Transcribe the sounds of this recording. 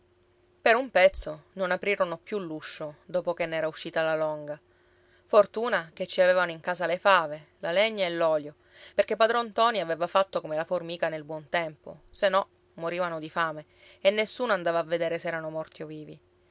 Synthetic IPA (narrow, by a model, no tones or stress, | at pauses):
peɾumpɛt̪sːononapɾiːɾonopjulːuʃːod̪oːpokenːɛːɾauʃːiːt̪alalɔŋɡa | fort̪uːnaket͡ʃːiavevanoiŋkaːsalefaːve | laleɲːaelːɔːljo | perk̟ep̬ːad̪ɾont̪ɔniavevafat̪ːokomelaformiːkanelbwɔnt̪ɛmpo̰senɔ | moɾiːvanod̪ifaːme | enːesːuːnoand̪aːvaːvːed̪eːɾesɛːɾanomɔrt̪ioviːvi